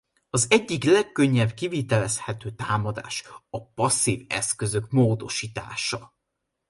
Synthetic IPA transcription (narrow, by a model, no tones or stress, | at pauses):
ɒzɛɟːiklɛkːøɲːɛbkivit̪ɛlɛshɛt̪øːt̪aːmɒd̪a̰ːʃɒpɒsːiːvɛ̰skø̞zø̞kmoːd̪o̞ʃiːt̪a̰ːʃɒ